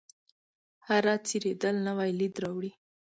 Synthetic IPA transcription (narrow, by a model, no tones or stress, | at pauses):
haɾɑt͡siɾed̪əlnawajlid̪ɾawɽi